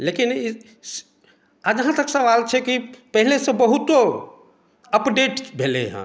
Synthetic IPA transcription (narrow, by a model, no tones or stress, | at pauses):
lekin | ad͡ʒɦãt̪əksəʋalt͡ʃʰɛkipəɦilesẽbəɦut̪o | əpɖeʈbʱelḛɦə̰̃